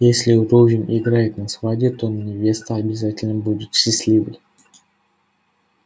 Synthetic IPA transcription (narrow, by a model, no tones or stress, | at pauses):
jesʲlʲɪʊɾovʲɪnʲɪɡɾajɪt̪nɐsvadʲɪt̪onənʲɪvʲe̞st̪əɐbʲɪzatʲɪlʲnəbudʲɪt̪ɕːɪsʲlʲivɨjʲ